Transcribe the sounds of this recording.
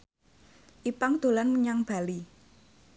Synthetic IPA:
ʔipaŋd̪̥o̤lanməɲaŋb̥a̤li

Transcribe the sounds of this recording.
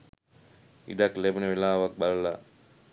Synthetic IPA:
ḭd̪aklebunəʋilaːʋak̚balɐla

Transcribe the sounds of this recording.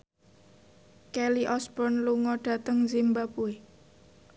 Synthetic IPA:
kɛliʔɔsbɔnluŋɔɖ̥ä̤t̪əŋzimbapue

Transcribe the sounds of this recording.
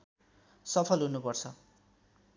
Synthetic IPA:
sʌpʰʌlɦunupʌrt͡sʰʌ

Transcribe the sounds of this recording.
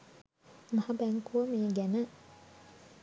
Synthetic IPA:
mahabæŋkuəmejəɡænə

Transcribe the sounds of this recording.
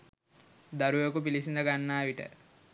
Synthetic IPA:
d̪aɾujokupilisind̪ɐɡanːaːʋiʈə̰

